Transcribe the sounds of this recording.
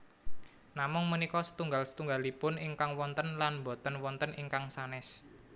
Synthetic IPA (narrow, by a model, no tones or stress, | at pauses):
namʊŋmənikɔsə̥t̪uŋɡalsə̥t̪uŋɡalipʊniŋkaŋwɔnt̪ənlanmbo̤t̪ənwɔnt̪əniŋkaŋsanɛs